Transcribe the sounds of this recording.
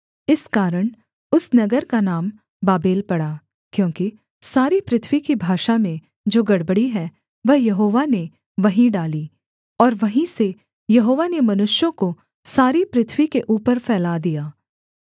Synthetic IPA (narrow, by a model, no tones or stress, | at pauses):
ɪskaːɾəɽ̃ | ʊsnɐɡəɾkanaːm | baːbeːlpɐɽa | kjõːki | saːɾipɾɪt̪ʰʋikibʱaːʃamẽ | d͡ʒoːɡɐɽbəɽiɦɛː | ʋɐɦjɐɦoːʋane | ʋɐɦĩɖaːliː | ɔːɾʋɐɦĩse | jɐɦoːʋanemɐnʊʃjõko | saːɾipɾɪt̪ʰʋikeʔuːpəɾfʰɛːlad̪ijaː